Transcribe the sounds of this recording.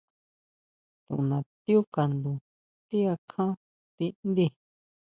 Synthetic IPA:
t̪ṵ̃˨ʔũ˨nã˨t̪i˦u˦ka˨nd̪u˧˨ | t̪i˦a˧kʰã˦ | t̪i˧nd̪i˧

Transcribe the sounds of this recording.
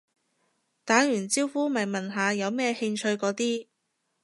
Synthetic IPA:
t̪aː˨˥jyː˨˩nt͡siː˥wfuː˥mɐ˨jmɐ˨nɦaː˨˧jɐ˨˧wmɛː˥hɪ˧ŋt͡ʃʰɵ˧ɥkɔː˨˥t̪iː˥

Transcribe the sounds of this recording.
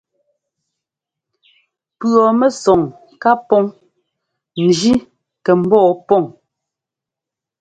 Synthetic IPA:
pɔ˨mɛ˦sɔ˨ŋ | ka˦pɔ˦ŋ | n̩˨d͡ʒi˦ | kɛ˨m̩˦bɔː˦˨pɔ˦˨ŋ

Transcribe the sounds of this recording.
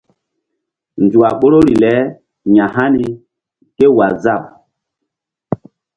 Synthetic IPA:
nd͡zu˨a˨ɓo˦ɾo˦ɾi˨lɛ˨˦ | ɲã˨ɦa˦ni˨ | ke˦wa˨za˦˨m

